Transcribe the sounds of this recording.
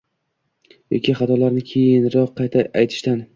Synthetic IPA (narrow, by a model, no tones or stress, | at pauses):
jɒ̰kʲiχɑt̪ʰɒlaɾnɪkʲʰejɪnɾɒqʰːɑjt̪ʰaajt̪ʰɪ̥ʃt̪an